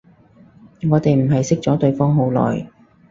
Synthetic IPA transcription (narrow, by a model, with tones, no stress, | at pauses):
ŋɔː˨˧t̪e˨jm̩˨˩ɦɐ˨jsɪ˥k̚t͡sɔː˨˥t̪ɵ˧ɥfɔː˥ŋɦo˨˥wlɔ̰ː˨˩j